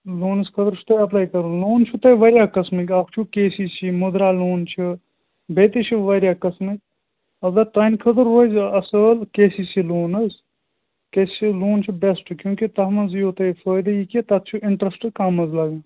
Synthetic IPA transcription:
loːnɐskʰɐt̪əɾt͡ʃʰu̥t̪ɐɐplaːjkɐɾuloːnt͡ʃʰut̪ɐiʋɐɾjaːkɐsmikakʰt͡ʃʰukeːsist͡ʃʰimʊd̪ɾaːloːnt͡ʃʰi | beːt̪it͡ʃʰiʋɐɾʲjaːkɐsmik | ɐbd̪ɐt̪ɐnkʰɐt̪əɾɦozɐsəːlkeːsiːsiloːnɐs | keːsiloːnt͡ʃʰibesʈkjũːkit̪ɐɦmɐziot̪ɐjfoːjd̪ɐjiket̪ɐt̪̚ʰt͡ʃʰuʔɪɳʈɾɐsʈkɐmɐzlɐɡãː

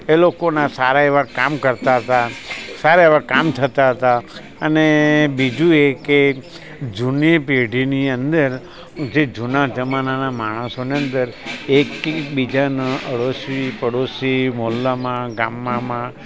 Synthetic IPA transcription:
elokonasaɾaeʋakamkəɾt̪aɦət̪asaɾaeʋakamt̪ʰət̪aɦət̪a | ənebid͡ʒueke | d͡ʒunipeɖʱiniənd̪əɾ | d͡ʒed͡ʒunad͡ʒəmananamaɽ̃əsoniə̃nd̪əɾekːbid͡ʒanəʔəɽosʋipəɽosimolːamãɡamːãmã

